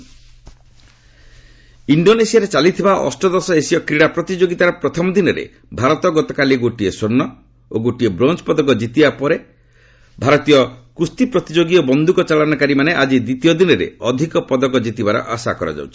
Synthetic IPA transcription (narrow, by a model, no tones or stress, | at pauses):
iɳɖonesiaɾet͡ʃalit̪ʰibaʔɔ̰sʈɔd̪ɔsɔesiɔkɾiɽapɾɔt̪id͡ʒoɡit̪aɾɔpɾɔt̪ʰɔmɔd̪inɔɾḛ | bʱaɾɔt̪ɔɡɔt̪ɔkaliɡoʈiesonːɔ | oɡoʈiebɾɔnt͡ʃpɔd̪ɔɡɔd͡ʒit̪ibapɔɾe | bʱaɾɔt̪ijɔkust̪ipɾɔt̪id͡ʒoɡiɔbɔnd̪ʱukɔt͡ʃalɔnɔkaɾimaneʔad͡ʒid̪it̪ijɔd̪inɔɾḛɔd̪ʱikɔpɔd̪ɔɡɔd͡ʒit̪ibaɾɔ̰ʔasa̰kɔɾɔ̰d͡ʒa̰wt͡ʃʰi̥